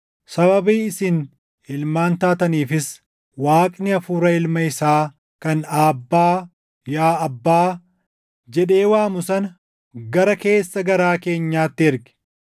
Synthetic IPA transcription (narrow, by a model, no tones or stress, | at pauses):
sɐbɐbiːɪsɪn | ɪlmaːnt̪aːt̪ɐniːfɪs | waːkʼnɪɐfuːɾɐɪlmɐɪsaː | kɐnaːbːaː | jaːɐbːaː | d͡ʒɛᶑe̞ːwaːmʊsɐnɐ | ɡɐɾɐke̞ːsːɐɡɐɾaːke̞ːɲːaːt̪ːɪɪɾɡɛ̥